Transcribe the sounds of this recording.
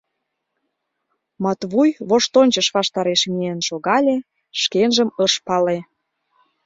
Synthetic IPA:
mɑt̪βujβoʃt̪onʲt͡ɕəʃβɑʃt̪ɑɾeʃmienʃoɣɑlʲe | ʃkenʒəməʃpɑle

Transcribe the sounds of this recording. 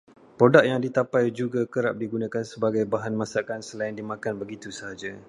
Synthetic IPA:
pɾodak̚jaŋdit̪apajd͡ʒuɡakəɾap̚diɡunãkansəbaɡajbaɦanmãsakansəlaɪndimãkanbəɡit̪usəɦad͡ʒa

